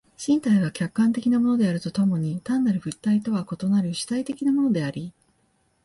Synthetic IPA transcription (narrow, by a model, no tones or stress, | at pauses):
ɕĩnt̪aiβakʲakːãnt̪e̞kʲinamo̞no̞d̪eaɾɯ̟t̪o̞t̪o̞mo̞ɲ̟it̪ãnːaɾɯ̟ɸɯ̟t̪ːait̪o̞βako̞t̪o̞naɾɯ̟ɕi̥t̪ait̪e̞kʲinamo̞no̞d̪e̞aɾʲi